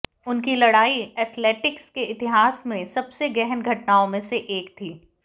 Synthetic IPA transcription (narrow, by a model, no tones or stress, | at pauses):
ʊnkilɐɽaːiɛːt̪ʰleːʈɪkskeɪt̪ɪɦaːsmẽsɐbseɡɛɦənɡʱɐʈnaːõmẽseʔeːkt̪ʰiː